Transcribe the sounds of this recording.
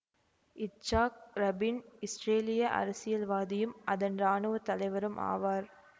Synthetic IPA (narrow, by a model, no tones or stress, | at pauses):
ɪt͡ʃːaːk̚ɾɐbɪnɪsɾeːlɪjɐʔɐ̰ɾɐsɪjɐlʋaːðɪjɯmʔɐðɐnraːnɯʋɐt̪ɐlɐɪʋɐɾɯmʔa̰ːʋaːɾ